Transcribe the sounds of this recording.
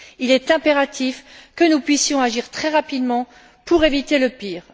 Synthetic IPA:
ilɛt̪ɛ̃peʁat̪ʰifkənupɥisjɔ̃aʒiʁt̪χɛʁapid̪mɑ̃ | puʁevit̪eləpiːʁ

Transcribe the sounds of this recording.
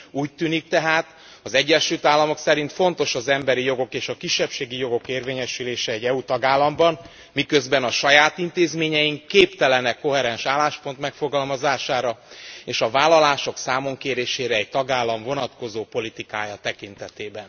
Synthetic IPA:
uːc̚t̪yːnik̚t̪ɛɦaːt̪ | ɒzɛɟːɛʃylt̪aːlːɒmo̞ksɛɾint̪fo̞nt̪o̞ʃɒzɛmbɛɾijo̞ɡo̞keːʃɒkiʃːɛpʃeːɡijo̞ɡo̞keːrveːɲɛʃyleːʃɛɛɟːɛut̪ɒɡaːlːɒmbɒn | mikøzbɛnɒʃɒjaːt̪int̪eːzmeːɲɛjiŋkːeːpt̪ɛlɛnɛkːo̞ɦɛɾɛnʃaːlːaːʃpo̞nt̪mɛkfoɡɒlmɒzaːʃaːɾɒeːʃɒvaːlːɒlaːʃo̞ksaːmo̞ŋkeːɾeːʃeːɾɛːc̚t̪ɒɡaːlːɒɱvo̞nɒt̪ko̞zoːpo̞lit̪ikaːjɒt̪ɛkint̪ɛt̪eːbɛn

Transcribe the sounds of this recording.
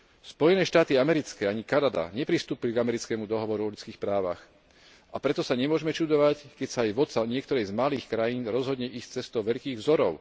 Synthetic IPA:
spɔjɛnɛːʃt̪aːt̪iamɛɾit͡skɛːaɲikanad̪a̰ɲɛpɾist̪uːpiliɡamɛɾit͡skɛːmud̪ɔɦɔʋɔɾuɔʎut͡skiːxpɾaːʋa̰x | apɾɛt̪ɔsaɲɛmʊɔʒɛmɛt͡ʃud̪ɔʋackɛcsaːjʋɔt̪saɲɪɛkt̪ɔɾɛjzmaliːxkɾajiːnɾɔzɦɔd̪ɲɛʔiːst͡sɛst̪ɔʊʋɛʎkiːɣvzɔɾɔʊ

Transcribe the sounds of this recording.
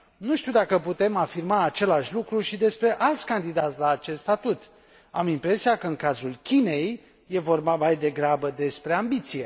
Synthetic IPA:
nuʃt̪iwd̪akəput̪e̞mafirmaːt͡ʃe̞laʃʲlukɾuʃid̪e̞spɾe̞ʔalt̪sʲkand̪id̪at̪sʲlaːt͡ʃe̞st̪st̪at̪ut̪ | amimpɾe̞siakəɨŋkazulkʲine̞jː | e̞vo̞rbamajd̪e̞ɡɾabəd̪e̞spɾe̞ambit̪sije̞

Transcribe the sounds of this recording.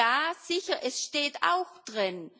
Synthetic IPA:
aːz̥ɪçɐʔɛsʃteːta̰ʊxd̥ʁɪn

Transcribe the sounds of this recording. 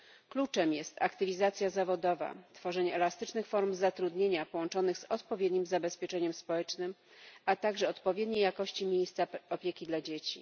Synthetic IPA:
klut͡ʂɛmjɛst̪akt̪ɘvʲizat̪sʲjazavɔd̪ɔva̰t̪fɔʐɛɲɛɛlast̪ɘt͡ʂnɘxfɔɾmzat̪ɾud̪ɲeɲapɔwɔnt͡ʂɔnɘɣz̥ɔt̪pɔvʲjed̪ɲimzabɛspʲjɛt͡ʂɛɲɛmspɔwɛt͡ʂnɘm | at̪aɡʐɛɔt̪pɔvʲjɛd̪ɲejːakɔɕt͡ɕimʲjejst̪saɔpʲjekʲid̪lad͡ʑet͡ɕḭ

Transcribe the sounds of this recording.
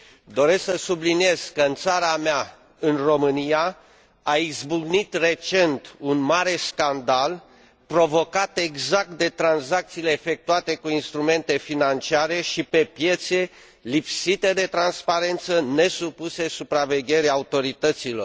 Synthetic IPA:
d̪o̞ɾe̞sksəsublinije̞z̥kəɨnt̪saɾamea | ɨnro̞mɨnija | aizbuɡnit̪re̞t͡ʃe̞nt̪unmaɾe̞skand̪al | pɾo̞vo̞kat̪e̞ɡzak̚t̪̚d̪e̞t̪ɾanzak̚t̪siːle̞ːfe̞k̚t̪uat̪e̞kuinst̪ɾume̞nt̪e̞finant͡ʃiaɾe̞ʃipe̞pje̞t̪se̞ | lipsit̪e̞d̪e̞t̪ɾanspaɾe̞nt̪səne̞supuse̞supɾave̞ɡʲe̞ɾeaut̪o̞ɾit̪ət̪silo̞r

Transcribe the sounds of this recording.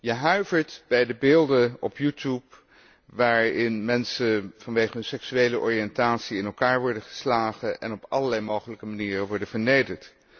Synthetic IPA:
jəɦœɥvəɹtb̥ɛjdəbɪːlˠdəɔ̰pjutup̚ | ʋaːɹɪnmɛnsəvɑnʋejχəɦənsɛksyejləʔɔ̰ɹiɛntaːtsiɪnɛlˠkaːɹʋɔɹdəχə̥slaːχəʔɛ̰nɔpɑ̰ləɹlɛjmowχələkəmaniːrənʋɔɹdəv̥əɹnejdəɹt

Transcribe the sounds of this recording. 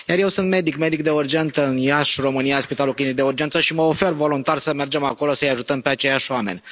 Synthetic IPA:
jarje̞wsɨnt̪me̞d̪ikme̞d̪ik̚d̪e̞urd͡ʒe̞nt̪əɨnjaʃro̞mɨniaspit̪aluklʲinik̚d̪e̞urd͡ʒent̪səʃiməofe̞rvo̞lunt̪arsəme̞rd͡ʒe̞mako̞lo̞səɨjaʒut̪əmpeat͡ʃe̞jaʃoame̞̰nʲ

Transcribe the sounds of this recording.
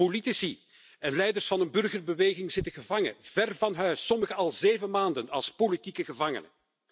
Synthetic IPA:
olitisi | ɛnlɛjdərsfɑnənbɵrɣərbəʋeːɣɪŋzɪtəɣəvɑŋə̰v̥ɛrvɑnɦœɥsːɔməɣəɑlˠzeːvəmaːndənɑ̰lˠspolitikəɣəvɑŋə̰nə̰

